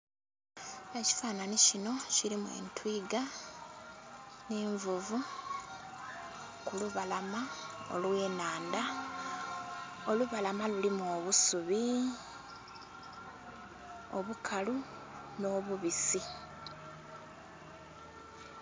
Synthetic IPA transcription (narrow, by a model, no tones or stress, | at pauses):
e̞ci̥faːnanicino̞ciɾimuwḛːntwiːɡa | neːɱvuvu | kuluβalamao̞̰lwe̞ːnaːnda | o̞luβalamalulimoːβusuβi | oβukʰalu | no̞ːβuβisi